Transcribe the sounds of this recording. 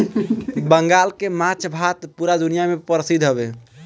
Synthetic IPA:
bəŋɡalkemat͡ʃʰbʱat̪puɾad̪unijamepəɾsid̪ʱɦəbe

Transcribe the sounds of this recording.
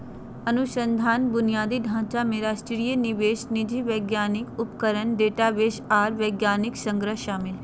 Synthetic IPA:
ənʊʃə̃nd̪ʱaːnbʊnijaːd̪iɖʱãːt͡ʃameːɾasʈɪɾijənɪʋeːʃnɪd͡ʒiʋeːɡjaːnɪkʊpkəɾənɖeːʈaːʋeːʃaːɾʋeːɡjaːnɪksə̃ŋɡɾəɦʃaːmɪl

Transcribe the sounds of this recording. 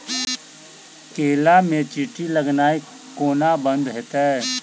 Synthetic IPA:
keːlamẽt͡ʃiːʈiləɡnaːi | koːnabə̃nd̪ɦɛt̪ɛ

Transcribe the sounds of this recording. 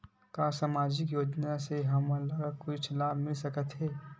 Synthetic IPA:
kaːsaːmaːd͡ʒɪkjoːd͡ʒnaseɦɐmɐlɐɡkʊt͡ʃʰlaːbʱmɪlsɐkət̪ɦɛː

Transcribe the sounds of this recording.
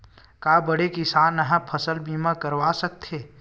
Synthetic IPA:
kaːbɐɽekɪsaːnːɐɦãpʰɐsəlbiːmãkɐɾwaːsɐk̚t̪ʰeː

